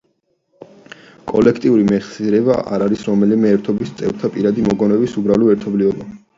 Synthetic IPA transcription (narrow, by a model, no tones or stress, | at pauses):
kʼɔlɛkʰt̪ʼiuɾimɛχsiɾɛbaʔa̰ɾaɾisɾɔmɛlimɛːɾt̪ʰɔbist̪sʼɛvɾt̪ʰapʼiɾad̪imɔɡɔnɛbisubɾalɔɛɾt̪ʰɔblivɔba